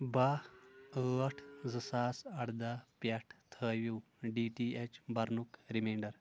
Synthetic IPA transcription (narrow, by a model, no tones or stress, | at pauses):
baəəʈʰd͡zəsaːsɐɽd̪apjaʈʰt̪ʰəʋu | ɖiʈiet͡ɕbaɾnukɾimeɳɖəɾ